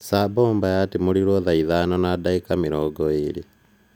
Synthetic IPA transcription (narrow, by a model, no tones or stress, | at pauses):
sabɔːmbajatimoɾiɾwɔðaiðanɔnadaikamiɾɔɡɔeɾi